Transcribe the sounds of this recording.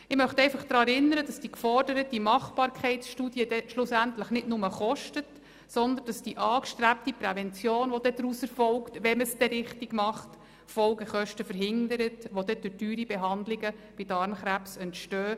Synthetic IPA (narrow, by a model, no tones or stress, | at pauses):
ɪmœχtɛɪfɑχd̪̥ɾɑːɛɾɪnːəɾəd̥ɑsd̥ikfɔrdəɾətimɑχb̥ɑːɾkʰχɛɪtsʃtuːdiəd̥ɛʃlʊsæntləχnɪdnʊməχɔʃtət | sɔnd̪ən̩d̥ɑsd̥iʔɑːkʃtɾæp̚tipɾɛvɛnt͡sjoːnʋɔd̥̪ɛd̪ɾusɛɾfɔlktʋɛməsd̥ɛɾɪχtɪɡmɑχt | fɔlɡəχœʃtəfəɾɦɪnd̪əɾətʋod̥̪ɛd̥ʊdyːɾibɛɦɑndlɪɡəb̥ɪdɑɾmχɾæpsɛntʃtøː